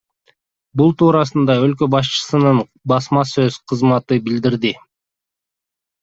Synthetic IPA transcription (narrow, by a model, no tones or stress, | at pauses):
bulˠt̪ʰuːɾɑsɯnd̪ɑø̞lk̬ø̞bɑʃ̬t͡ʃɯ̥sɯnɯn | bɑsmɑsø̞z̥qʰɯzmɑt̪ɯbild̪iɾd̪i